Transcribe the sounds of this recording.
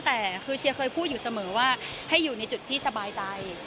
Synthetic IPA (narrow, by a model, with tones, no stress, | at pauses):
t̪ɛː˨˩kʰɯː˧t͡ɕʰi˧əkʰɤː˧jpʰuː˥˩t̪̚juː˨˩sa˧mɤː˩˦waː˥˩ | ha˥˩jːuː˨˩na˧jt͡ɕu˨˩t̪ʰːiː˥˩sa˧baː˧jt͡ɕa˧j